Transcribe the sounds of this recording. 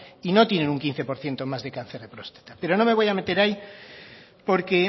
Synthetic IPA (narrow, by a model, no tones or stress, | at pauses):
ino̞t̪jenẽ̞nuŋkin̟θe̞po̞ɾθje̞nt̪o̞mazðekanθeɾðepɾo̞st̪ḁt̪ape̞ɾo̞no̞me̞β̞ojame̞t̪eɾaj | po̞ɾke̞